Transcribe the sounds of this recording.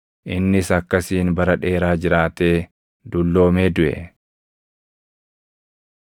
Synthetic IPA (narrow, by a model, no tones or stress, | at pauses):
ʔɪnːɪsɐkːɐsiːnbɐɾɐᶑe̞ːɾaːd͡ʒɪɾaːt̪eː | d̪ʊlːo̞ːmeːd̪ʊʔɛ̰